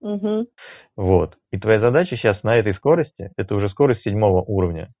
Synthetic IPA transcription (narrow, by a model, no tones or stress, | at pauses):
m̩ɦm̩ | vot̪ | it̪vɐjazɐd̪at͡ɕɪɕːasnɐɛt̪əjsko̞ɾəsʲtʲɪɛt̪əʊʐɛsko̞ɾəsʲtʲsʲɪdʲmo̞vəʔuɾəvnʲə̰